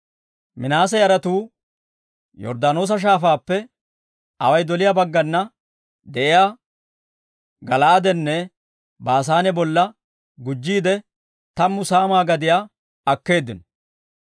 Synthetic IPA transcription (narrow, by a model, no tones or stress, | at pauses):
mɪnaːs̬ɛjɐɾɐt̪uː | jɔ̰ɾd̪aːno̞ːs̬ɐʃ̬aːfaːpːɛ | ɐwɐjd̪ɔlɪjabɐɡːɐnːɐ | d̪ɛʔɪjaː | ɡɐlaːd̪ɛnːɛ | baːs̬aːnɛbɔlːɐ | ɡʊd͡ʒːiːd̪ɛ | t̪ɐmːʊsaːmaːɡɐd̪ɪja | ɐkːe̞ːd̪ːɪnɔ